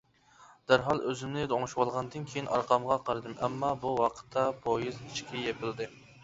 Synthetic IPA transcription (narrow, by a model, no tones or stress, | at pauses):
d̪̥æɾɦɑlˠøzɪmnɪd̪oŋʃwɑlˠʁɑnd̪ɨnkʲʰejinɑɾqʰɑmʁɑqʰɑɾɨd̪ɨmɛmːɑbuwɑqʰə̥t̪ʰːɑpʰojizit͡ʃkʲijɛpʰɪld̪ɨ